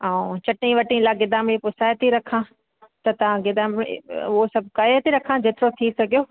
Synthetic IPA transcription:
ãːt͡ɕɐʈnĩʋɐʈĩlaːɡɪd̪aːmipʊsaːjt̪iɾɐkʰã | t̪ɐt̪ɐʋ̤ãɡɪd̪aːmʊɦosɐbʱkɐet̪iɾɐkʰãd͡ʑeːt̪ɪɾot̪ʰisɐɡʱijoː

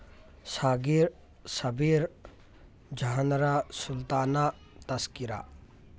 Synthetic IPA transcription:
saːɡiɾ | sɐbiːɾ | d͡ʒaɦənɾasʊlt̪aːna | t̪ɐskɪɾa̰ː

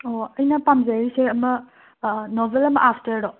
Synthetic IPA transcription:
oɐjnɐpamzaɾiseɐmɐ | nobʱelɐmɐ̰ʔapʰtɐɾdɔ

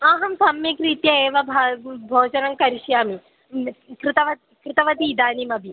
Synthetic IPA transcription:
aːɦɐmsɐmjikɾiːt̪jɐeːʋɐbʱabʱoːd͡ʒɐnɐmkɐɾiʃjaːmi | kɾɪt̪ɐʋɐt̪ | kɾɪt̪ɐʋɐt̪iːd̪aːnimɐbʱi

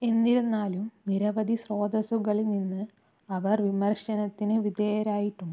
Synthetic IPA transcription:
e̞nːiɾunːaːlumniɾɐʋɐd̪ʱisro̞ːd̪ɐsuɣɐɭninːɨ | ɐʋɐrʋimɐrɕɐnɐt̪ːinɨʋid̪eːjɐɾaːjiʈːuɳːu

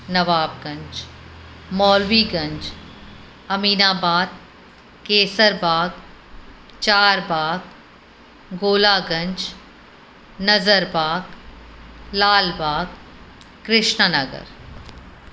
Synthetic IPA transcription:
nɐʋaːb̚ɡɐ̃ɲd͡ʒ | mɔːlʋiːɡɐ̃ɲd͡ʒ | ɐmiːnaːbaːd̪̚ | keːsəɾbaːɡ | t͡ʃaːɾbaːɡ | ɡoːlaːɡɐ̃ɲd͡ʒ | nɐzəɾbaːɡ | laːlbaːɡ | kːɾɪʃnənɐɡə̰ɾ

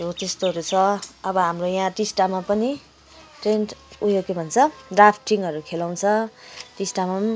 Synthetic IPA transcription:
ot̪est̪oɾut͡sʰʌʌbʌɦamrojãʈisʈamapʌni | ʈrenʈujokebʱʌnt͡sʰʌɖrapʰʈiŋɦʌɾukʰelaw̃t͡sʰʌʈisʈamam

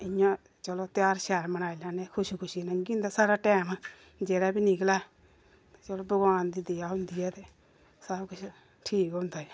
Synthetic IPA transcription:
ɪjãː | t͡ʃəloːt̪jaːɾʃɛːɾmənaːilãːneːkʰʊʃikʰʊʃiːnə̃ŋɡiːnd̪aːsaːɾaːʈɛːm | d͡ʒeːɾaːbiːnikəlaː | t͡ʃəloːbəɡwaːnd̪iːd̪eaːɦʊ̃nd̪iːɛːt̪eː | səbkʊt͡ʃʰ | ʈʰiːkɦõːnd̪aːɛ

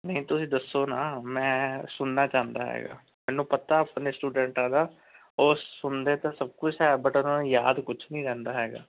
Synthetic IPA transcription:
nəĩːt̪ʊsĩːd̪əsːoːnaːmɛ̃ːsʊnːaːt͡ʃaːnd̪aːɦɛ̰ːɡa̰ː | mɛːnːũːpət̪aːapnesʈuːɖɛ̃ːɳʈaːd̪aː | oːsʊnd̪eːt̪ãːsəb̚kʊt͡ʃʰɦɛːbəʈʊnãːnːjaːd̪kʊt͡ʃʰnĩːɾɛ̃ːnd̪aːɦɛːɡa̰ː

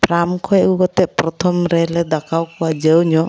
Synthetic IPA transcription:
pɾamkʰɔɛukɔt̪ɛʔpɾɔt̪ʰɔmɾɛlɛd̪akawkɔad͡ʒəwɲɔ

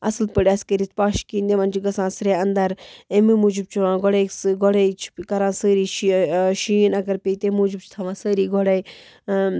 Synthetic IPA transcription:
ɐ̰slpəɽɐskəɾit̪paːʃkĩːnd̪eʋɐnd͡ʒiɡɐsãːsɾeːɐnd̪ɐɾẽmimuːd͡ʒib̚t͡ʃʰuʋãːɡoɽeksɡoɽeit͡ʃʰi̥kɐɾãːsəːɾiːʃiʃiːnɐɡɐɾpeit̪emuːd͡ʒib̚t͡ʃʰi̥t̪ʰɐʋãːsəːɾiːɡoɽeːi

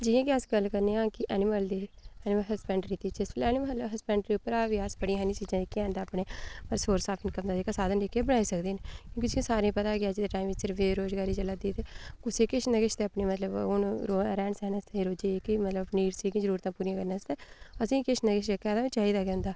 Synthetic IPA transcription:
d͡ʒɪjãːkiəsɡəlːkəɾneːãːkɪʔɛːnɪməld̪iːɛːnɪməlɦəspɛ̃ːɳɖəɾiːt̪iːt͡ʃɪsplɛːnɪmləbɦəspɛ̃ːɳɖəɾiːʊpːəɾaːʋiːəsbəɽĩɦɛːnĩt͡ʃiːd͡ʒãːikɪɛ̃ːnd̪aːəpneːəsoːɾsaːpʰɪnkəmd̪aːd̪eːkəsaːd̪ənlekːebəɽaːiːsəkd̪eːnekjjõːkid͡ʒiĩsaːɾĩːpət̪aːkɪaːd͡ʒid̪eːʈaːiːmisɪɾfeːɾoːzɡaːɾiːt͡ʃələt̪̚d̪iːt̪eːkʊseːkɪʃnəɡɪʃt̪eːəpneːmət̪ləbʊnɾoɾɛːɳsɛːnst̪ẽiːɾoːd͡ʒeːkimət̪ləniːɾsiːkĩzəɾuːɾət̪ãːpuːɾijãkəɾnãːst̪ɛːəsĩːkɪʃnəɡɪʃekɛːd̪ãĩt͡ʃaːɦiːd̪aːɡɛ̃ːʊ̃nd̪aː

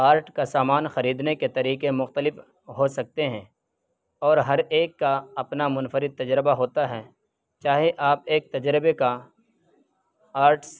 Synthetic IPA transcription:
aːɾʈkasaːmaːnxɐɾiːd̪neket̪ɐɾiːkemʊxt̪əlɪf | ɦosɐk̚t̪eɦɛ̃ː | ɔːɾɦɐɾeːkːaɐpnamʊnfəɾɪd̪̚t̪ɐd͡ʒɾɪbaɦoːt̪aɦɛː | t͡ʃaːɦeʔaːp̚eːk̚t̪ɐd͡ʒɾɪbeka | aːɾʈs

